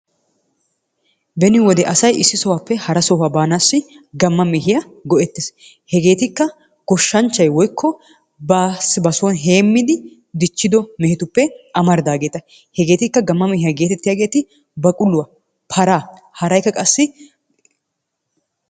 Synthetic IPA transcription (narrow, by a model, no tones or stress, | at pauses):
bɛnɪwɔd̪ɛʔɐsɐjʔɪsːɪsɔwapːɛhɐɾɐsɔwabaːnaːsːɪ | ɡɐmːɐmɛhɪjɐ | ɡɔʔɛt̪ːɪs | hɛɡe̞ːt̪ɪkːɐ | ɡ̥ɔʃːɐnt͡ʃːɐjwɔjkʰːɔ | bɐsbɐsɔnɦe̞ːmːɪd̪ɪ | d̪ɪt͡ʃːɪd̪ɔmɛhɪt̪ʊpːɛʔɐmɐɾd̪aːɡe̞ːt̪ɐ | hɛɡe̞ːt̪ɪkːɐɡɐmːɐmɛhɪjɐɡe̞ːt̪ɛt̪ːɪjaːɡe̞ːt̪ɪ | bɐkʼʊlːʊwɐ | pʰɐɾaː | hɐɾɐjkːɐkʼɐsːɪ